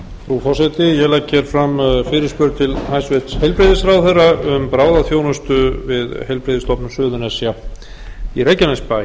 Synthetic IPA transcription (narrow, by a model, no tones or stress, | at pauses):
fɾufɔ̥sɛt̪ɪjɛlɛkçɛɾ̥fɾamfɪːɾɪɾ̥spʏɾt̪ʰɪlhajsvɛt̪shejlpɾeðɪsɾawθɛrːaʏmpɾaːwðaθjoːwnʏst̪ʏvɪðhejlpɾeːðɪst̪ʰɔpnʏmsʏːðʏnɛsja | iɾejcanɛspa